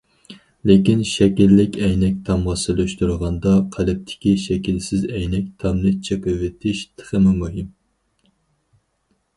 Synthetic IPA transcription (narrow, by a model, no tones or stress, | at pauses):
lɪkʲinʃɛkʲilːɪkʲɛjnɛk̚ʲt̪ʰɑmʁɑsɨlyʃt̪uɾʁɑnd̪ɑqʰælɪp̚t̪ʰɪ̥kʲiʃɛkʲilsɪzɛjnɛkʲt̪ʰɑmnɨt͡ʃʰeqəwɪt̪ʰɪʃt̪ʰə̥χəmɨmuɦim